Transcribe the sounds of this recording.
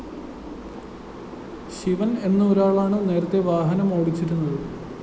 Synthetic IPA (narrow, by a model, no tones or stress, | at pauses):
ɕiʋɐne̞nːɨoɾaːɭaːɳɨne̞ːɾɐt̪ːe̞ʋaːɦɐnɐmoːɽit͡ɕːiɾunːɐðɨ